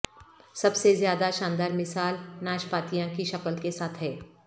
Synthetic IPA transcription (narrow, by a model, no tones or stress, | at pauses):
sɐbsezjaːd̪aʃãːnd̪aːɾmɪsaːlnaːʃpaːt̪ijãkiʃɐkəlkesaːt̪ʰɦɛː